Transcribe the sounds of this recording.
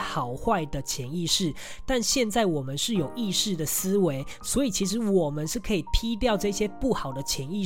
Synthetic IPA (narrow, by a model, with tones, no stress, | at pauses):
xɑ˨˩ʊxwa˥˩ɪd̪ə˩t͡ɕʰjɛ˧˦ni˥˧ʂɻ̩˥˩ | t̪a˥˧nɕjɛ˥˧nt͡sa˥˩ɪwɔ˨˩mə˦nʂɻ̩˥˩jo˨˩ʊi˥˧ʂɻ̩˥˩d̪ə˩sɹ̩˥we˧˦ɪ | swɔ˧˥i˨˩t͡ɕʰi˧˥ʂ̬ɻ̩˧˦wɔ˨˩mə˦nʂɻ̩˥˩kʰɤ˧˥i˨˩t̪ʰi˥t̪̬jɑ˥˧ʊʈ͡ʂɤ˥˧i˧˩ɕjɛ˥pu˥˩xɑ˨˩ʊd̪ə˦t͡ɕʰjɛ˧˦ni˥˧